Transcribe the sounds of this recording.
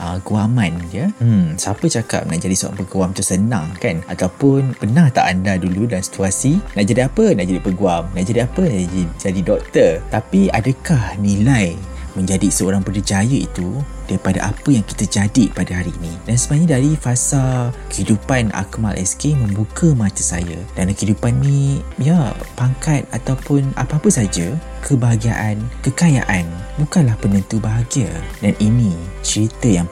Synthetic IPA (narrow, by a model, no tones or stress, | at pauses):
ʔəɡuamãnd͡ʒəsapət͡ʃaka̰p̚naʔd͡ʒadisoɾa̰ŋpəɡuamt̪usənã̰ŋkana̰t̪awpʊnpənãht̪a̰ʔandaduludansi̥t̪uasinaʔd͡ʒadiapənaʔd͡ʒadipəɡuamnaʔd͡ʒadiapədid͡ʒadidɔk̚t̪ərt̪apiadəkahnĩlajmə̃ɲd͡ʒadisəoɾaŋpədəd͡ʒajəḭt̪u | d̥aɾipada̰ʔa̰pəjaŋki̥t̪əd͡ʒadipadaɦaɾiːnĩdansəbəaɲadaɾifasalkəhidupana̰kma̰lʔɛ̰skemə̃mbukʰəmãt̪əsa̰jəd̥ankəhidupannĩjapaŋkat̪̚at̪awpʊna̰paapəsad͡ʒəkʰəbaɦaɡia̰ʔankəkaja̰ʔanbukanlahpənənt̪ubaɦaɡiədanʔinĩt͡ʃəɾit̪əjaŋ